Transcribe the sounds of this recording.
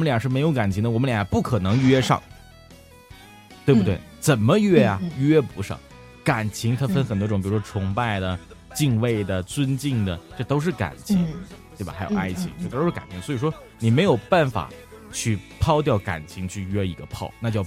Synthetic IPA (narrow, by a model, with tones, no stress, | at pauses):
wɔ˩mə˦ljɑ˨˩ʂɻ̩˥˩m˧˥ɪjo˧˥ʊka˨˩nt͡ɕʰi˧˥ŋd̪ə˧wmənljpu˥˩kʰɤ˨˩nɤ˧˥ŋ˥ɥɛ˥ʂɑ̰˥˩ŋ | t̪we˥˧ɪbu˩t̪we˥˩ɪt͡sə˨˩nmə˦ɥɛ˥˩jɐ˩ɥɛ˥pu˧˥ʂɑ̰˥˩ŋ | ka˨˩nt͡ɕʰi˧˥ŋt̪ʰə˥˩nfə˥nxə˨˩nt̪wɔ˥ʈ͡ʂʊ˧˥ŋpi˨˩ʂwɔ˥ʈ͡ʂʰʊ˧˥ŋpa˥˩ɪd̪ə˩ | t͡ɕi˥˧ŋwe˥˩ɪd̪ə˩t͡swə˥nt͡ɕi˥˩ŋd̪ə˩ʈ͡ʂɤ˥˧˩t̪o˥ʊʂ̬ɻ̩˥˩ka̰˨˩nt͡ɕʰi˧˥ŋt̪we˥˩ɪbɐ̰˨˩xa˧˥jo̰˨˧˨ʊʔa˥ɪt͡ɕʰi˧˥ŋ˥˩ə˧t̪o˥ʂɻ̩˥˩ka˨˩nt͡ɕʰi˧˥ŋd̪swɔ˧˥i˨˩ʂwɔ˥ | ni˨˩me˧˥ɪjo˨˩ʊpa˥˩nfa̰˨˩ | t͡ɕʰy˥˩pʰɑ˥˧ʊt̪̬jɑ˥˩ʊka̰˨˩nt͡ɕʰi˧˥ŋt͡ɕʰy˥˩ɥɛ˥i˧˥ɡə̰˧pʰɑ̰˥˩ʊna˥˧t͡ɕjo˥˩